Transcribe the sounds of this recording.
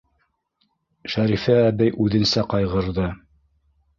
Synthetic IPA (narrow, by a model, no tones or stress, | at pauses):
ʃæɾifɘæbɘjʔʉðɘ̆nsæqɑjʁɤ̆ɾðɤ